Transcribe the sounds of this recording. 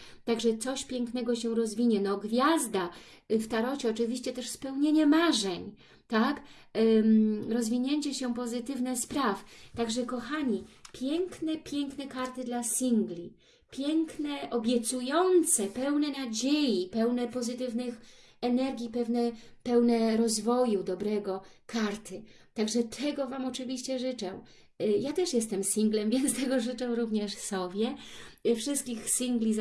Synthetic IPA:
t̪aɡʐɛt̪sɔɕpʲjɛŋknɛɡɔɕɛɾɔzvʲiɲɛnɔɡvʲjazd̪a | ft̪aɾɔt͡ɕɛɔt͡ʂɘvʲiɕt͡ɕɛt̪ɛʂspɛwɲeɲɛmaʐɛɲ | t̪ak | ɾɔzvʲiɲeɲt͡ɕɛɕɛpɔzɘt̪ɘvnɛspɾaft̪aɡʐɛkɔxaɲipʲjɛŋknɛpʲjɛŋknɛkaɾt̪ɘd̪lasʲiŋɡlʲi | pʲjɛŋknɛʔɔbʲjɛt̪sujɔnt̪sɛpɛwnɛnad͡ʑejipɛwnɛpɔzɘt̪ɘvnɘx | ɛnɛɾɡʲipɛvnɛpɛwnɛɾɔzvɔjud̪ɔbɾɛɡɔkʰaɾt̪ɘ | t̪aɡʐɛt̪ʰɛɡɔvamɔt͡ʂɘvʲiɕt͡ɕɛʐɘt͡ʂɛw | jat̪ɛʂjɛst̪ɛmsʲiŋɡlɛmvʲjɛnst̪ɛɡɔʐɘt͡ʂɛ̃w̃ɾuvɲɛʂsɔbʲjɛfʂɘst̪̚kʲixsʲiŋɡlʲi

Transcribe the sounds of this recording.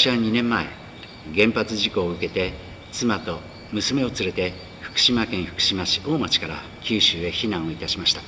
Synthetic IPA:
ɕiaɲ̟inẽ̞mːae̞̰ | ɡẽ̞mpat͡sɨʑiko̞ːɯ̟ke̞t̪e̞ | t͡sɨmat̪o̞ | mɯ̟sɨme̞o̞t͡sɨɾe̞t̪e̞ | ɸɯ̟̥kɯ̟̥ɕimakẽ̞ɰ̃ɸɯ̥kɯ̟̥ɕimaɕi̥o̞ːmat͡ɕi̥kaɾa | kʲɨːɕɨːe̞çinãɰ̃o̞it̪aɕimaɕi̥t̪ḁ

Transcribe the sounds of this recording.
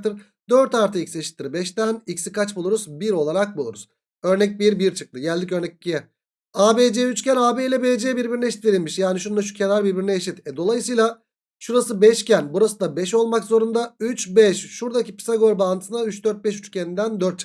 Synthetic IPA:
t̪ʰɯɾ | d̪ø̞ɾt̪aɾt̪ʰɯicsieʃi̥t̪ːiɾibɛʃt̪ænicsikat͡ʃbulˠuɾuzbiɾo̞lˠaɾak̚bulˠuɾuz̥ | ø̞ɾnɛc̚biɾbiɾt͡ʃʰɯ̥k̚t̪ˠɯɟælʲd̪icø̞ɾnɛc̚cijɛ | aːbed͡ʒeyt͡ʃcænaːbejilʲɛbeːd͡ʒejɛbiɾbiɾinɛeʃit̪ve̞ɾilʲmiʃjaːniʃund̪aʃu̥cʰe̞naɾbiɾbiɾinɛːʃit̪ɛd̪o̞lˠajɯsɯjlˠa | ʃuɾasɯbɛʃcʰænbuɾasɯnd̪abɛʃo̞lˠmakzo̞ɾund̪ayt͡ʃbɛʃʃuɾd̪acʰipi̥saɡoɾbant̪ʰɯsɯnd̪ayt͡ʃd̪øɾt̪̚bɛʃyt͡ʃcʰenind̪ænd̪ø̞ɾt̪̚t͡ʃʰɯ̥

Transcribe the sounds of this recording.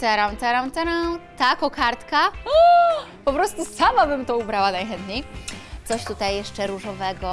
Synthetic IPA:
t̪ɛɾawt̪ɛɾãwt̪ɛɾat̪akɔkaɾt̪ka | pɔpɾɔst̪usamabɘmt̪ɔubɾawanajxɛnt̪ɲejt̪sɔɕt̪ut̪ajːɛʂt͡ʂɛɾuʐɔvɛɡɔ

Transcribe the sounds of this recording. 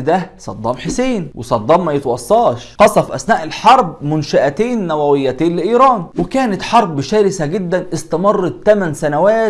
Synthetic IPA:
d̪æsˤɑ̰d̪ˤːɑːmħeseːnwɪ̰sˤɑd̪ˤːɑːmːæjet̪wɑsˤːɑːʃqɑsˤɑfʔæ̰snæːʔɪlħɑɾˤb̚mʊnʃæʔæt̪eːnːæwæwɪjːæt̪eːnlɪʔiːɾˤɑːnwɪkæːnɪt̪ħɑɾˤbʃæːɾɪsæɡɪd̪ːænʔɪst̪æmɑrˤːɑːæmænsænæwæː

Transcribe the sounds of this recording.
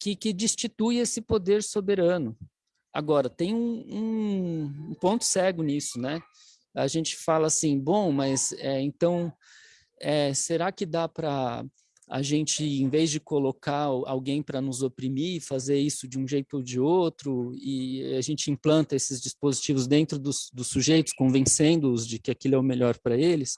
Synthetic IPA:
kɪkɪd͡ʒist͡ʃit̪ujesɪpod̪eɾsobeɾɐ̃nʊ | a̰ɡɔɾɐt̪ẽj̃ũũ | ũpõnt̪ʊ̥sɛɡʊnisʊnɛ | aʒẽnt͡ʃɪ̥falɐasĩbõmɐsɛẽnt̪ɐ̃w̃ | ɛseɾakɪd̪apɾɐ | a̰ʒẽnt͡ʃɪẽvezd͡ʒɪkolokaa̰wɡẽj̃pɾɐnʊzopɾimiɪfazeɾisʊd͡ʒɪũʒejt̪ʊod͡ʒɪot̪ɾʊɪaʒẽnt͡ʃɪĩplɐ̃nt̪ɐesɪzd͡ʒispozit͡ʃivʊzd̪ẽnt̪ɾʊd̪ʊsd̪ʊsːuʒejt̪ʊ̥skõvẽsẽnd̪ʊʊzd͡ʒɪkɪakilʊɛʊmeʎɔɾpɾɐelɪs

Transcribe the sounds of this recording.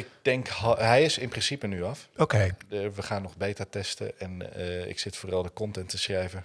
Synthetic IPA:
ɪk̚d̥ɛŋkɦɛjɪsɪnprɪnsipənyɑfokejəʋəχaːnːɔχbejtərtɛstə̰ɛnəɪ̰ksɪtfoːrɑlˠdəkɔntɛntːəsrɛjvə

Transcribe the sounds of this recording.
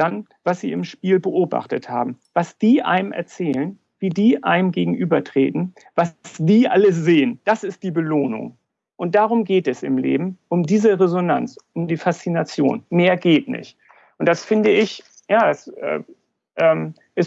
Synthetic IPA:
d̥an | v̥asz̥iːɪmʃpiːlbəʔoːba̰χtətha̰ːbm̩ | vasd̥iːʔa̰ɪnəmʔɛ̰ɐt͡sɛːlən | viːdiːʔa̰ɪnəmɡeːɡŋ̩ʔyːbɐtʁ̥eːtn̩ | vassd̥iːʔa̰ləz̥eːənd̥asɪst̚d̥iːbəloːnʊ̰ŋ | ʔʊnt̚d̥aːʁʊmɡeːtɛsɪ̰mlḛːbm̩ʔʊmdiːzəʁezona̰nt͡sʊmdiːfast͡sinat͡sjo̰ːnmeːɐɡeːtnɪ̰çt | ʔʊnt̚d̥asfɪndəɪç | jaːdasʔɛ̰ː | ʔɛːm | ʔɪs

